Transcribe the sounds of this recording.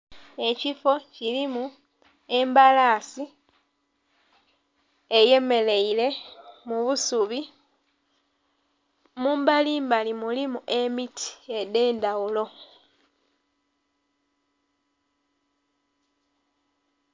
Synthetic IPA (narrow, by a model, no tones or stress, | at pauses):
e̞cifo̞cilimu | e̞mbalaːsi | eje̞me̞le̞ile̞muβusuβi | muːmbaliːmbalimulimuʔe̞mitʰi̥e̞de̞ːndawulo̞